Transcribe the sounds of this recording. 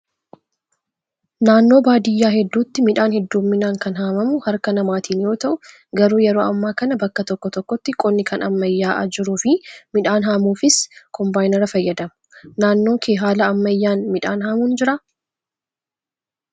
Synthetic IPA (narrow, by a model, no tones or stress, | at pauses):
naːnːo̞ːbaːd̪ɪjːaːɦɛd̪ːuːt̪ːɪmɪᶑaːnhɛd̪ːuːmːɪnaːŋkɐnɦaːmɐmʊhɐɾkɐnɐmaːt̪iːnjo̞ːt̪ɐʔʊ | ɡɐɾuːjɛɾo̞ːɐmːaːkɐnɐbɐkːɐt̪ɔkːɔt̪ɔkːɔt̪ːɪkʼɔnːɪkʰɐnɐmːɐjːaːʔɐ̰d͡ʒɪɾuːfɪmɪᶑaːnɦaːmuːfɪskʰɔmbaːjnɛɾɐfɐjːɐd̪ɐmɐ̥ | naːnːo̞ːkʰeːɦaːlɐɐmːɐjːaːnmɪᶑaːnɦaːmuːnd͡ʒɪɾɐ